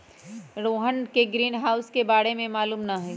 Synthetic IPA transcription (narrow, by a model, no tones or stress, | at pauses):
ɾoːɦənkeɡɾiːnɦaːʊskebaːɽemẽmaːluːmnɐɦɛː